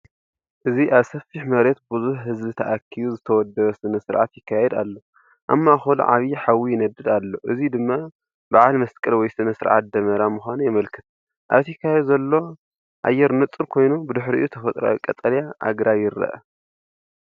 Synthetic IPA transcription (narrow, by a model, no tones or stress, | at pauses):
ʔɨziʔaβsɐfːiħmɐɾe̞t̪̚bɨzuħhɨzbɨt̪ʰɐʔakʰːijuzɨt̪ʰɐwɔd̪ːɐβɐsɨnɐsɨɾʕa̰t̪jɪkʰːajɛd̪a̰lːo̞ | ʔa̰mːaxol̰ʕa̰βiħawijɪnɐd̪ɨd̪alːo̞ʔɨzid̪ɨmːa | baʕalmɐskʼɨlwɔjsɨnɐsɨɾʕa̰t̪̚d̪ɐmɐɾamuxʷanujɪmɐlkʰɨt̪ʰ | ʔa̰βt̪jɪkʰːajɛd̪uzɐlːo̞ | ʔa̰jːɛɾnɨt͡sʼɨɾkʰo̞jnubɨd̪ɨħɾiʔʔut̪ʰɐfɐt̪ʼɾa̰wikʼɐt̪ʼɐɾjaʔa̰ɡɾajːɪɾɐ̰ʔɐ̰